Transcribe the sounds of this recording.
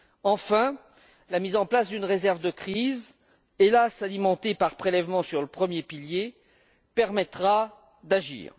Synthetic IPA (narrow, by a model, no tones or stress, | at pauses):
ɑ̃fɛ̃ | lamizɑ̃plasd̪ynʁezɛʁvd̪əkχiz | elasalimɑ̃t̪epaʁpχelɛvmɑ̃syʁləpχəmjepilje | pɛʁmɛt̪χa | d̪aʒḭːʁ